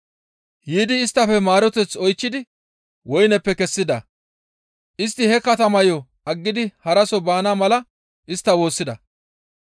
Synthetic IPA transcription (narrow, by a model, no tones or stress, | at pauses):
jiːd̪ɪːst̪ːɐfɛmaːɾɔt̪ɛt͡sɔjt͡ʃːɪd̪ɪ | wɔjnɛpːɛkɛsːɪd̪ɐ̰ | ʔɪst̪ːɪhɛkɐt̪ɐmɐjɔ | ɐɡːɪd̪ɪhɐɾɐsɔbaːnamɐlɐ | ʔɪst̪ːɐwo̞ːsːɪd̪ɐ̰